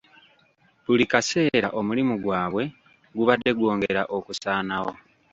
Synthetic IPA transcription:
βulikase̞ːɾaʔo̞mulimuɡwaːβwe̞ | ɡuβadːe̞ɡwo̞ːŋɡeɾaʔo̞kusaːnaho̞̰

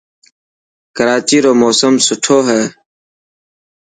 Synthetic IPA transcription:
kəɾaːt͡ʃiːɾoːmoːsəmsʊʈʰoːɦɛː

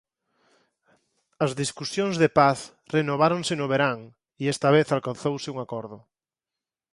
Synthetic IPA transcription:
ɐzðiskusjõŋzðepaθ | renoβ̞aɾõnsɪnʊβeɾaŋ | iɛst̪ɐβeθalkanθowsɪuŋakɔɾðʊ

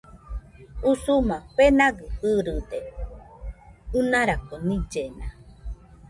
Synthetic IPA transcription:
usumãɸenaɡɨhɨɾɨd̪e | ɨnaɾakonĩd͡ʒena

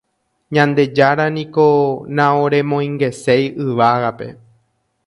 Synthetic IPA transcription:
ɲãnd̪e̞d͡ʒaɾanĩko̞nãõɾẽ̞mõj̃ŋɡe̞se̞jɨʋaɣape̞̰

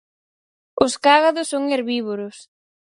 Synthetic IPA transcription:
ʊskaɣaðʊsːoŋeɾβiβoɾʊs

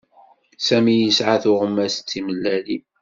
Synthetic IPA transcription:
sæmijəsʕaθʊʁəmːæst͡sːiməlːæli

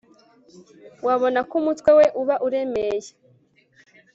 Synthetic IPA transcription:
waβo̞nakumutwe̞we̞ʔuβaʔuɾe̞meje

